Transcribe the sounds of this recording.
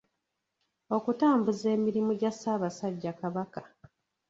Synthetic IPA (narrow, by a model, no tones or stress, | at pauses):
o̞kutaːmbuze̞ːmiɾimuɟasaːβasaɟːakaβakḁ